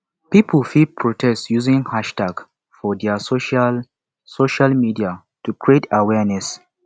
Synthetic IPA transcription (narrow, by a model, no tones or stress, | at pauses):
piplfid̚pʰɹotʰɛstjuzĩŋhaʃtaɡ̥ | fɔdɛsoʃa | soʃalmidia | tukɹietawɛnɛs